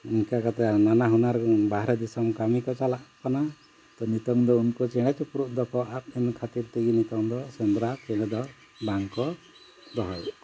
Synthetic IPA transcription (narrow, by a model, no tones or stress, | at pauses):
unkakat̪ɛnanaɦunaɾbaɦaɾɔd̪isɔmkamikɔt͡ʃalaʔkana | t̪ɔnit̪ɔŋd̪ɔunkɔt͡ʃɛɽ̃ɛt͡ʃupɾuʔ̚d̪ɔkɔʔap̚inkʰat̪iɾt̪iɡinit̪ɔŋd̪ɔsɛnd̪ɾɔat͡ʃɛɽ̃ɛd̪ɔ | daŋkɔ | d̪ɔɦɔj